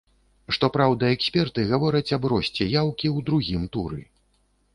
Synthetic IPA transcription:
ʂt̪ɔpɾawd̪ɐɛksʲpʲɛrt̪ɨɣavɔɾɐt͡sʲɐbɾɔsʲt͡sʲɛjawkʲiwd̪ɾuɣʲimt̪uɾɨ̰

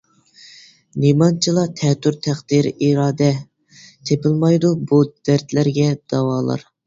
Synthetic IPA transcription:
nimɑnt͡ʃʰilˠɑt̪ʰɛt̪ʰyɾt̪ʰæχd̪̥iɾiɾɑːd̪ɛ | t̪ʰepɪlˠmɑjd̪ubud̪̥æɾt̪læɾɡʲɛd̪̥ɑwɑːlˠɑ̰ɾ

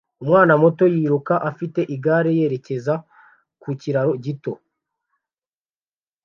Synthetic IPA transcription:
umŋaːnamo̞tojiːɾukaʔafite̞ʔiɡaːɾe̞je̞ːɾe̞ce̞za | kuciɾaɾo̞ɟito̞

